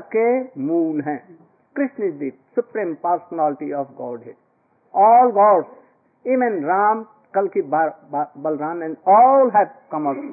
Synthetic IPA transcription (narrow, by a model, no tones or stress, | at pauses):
kemuːnɦɛ̃ː | kɾɪsnisd̪ik̚sʊpɾĩːmpaːɾsnaːlɪʈiɔːfɡɔːɾɖɦɪɖ | ɔːlɡɔːɖs | iːʋẽnɾaːm | kɐlkibabɐlɾãːnɛ̃nɖɔːlɦɛːbkɐ̃ma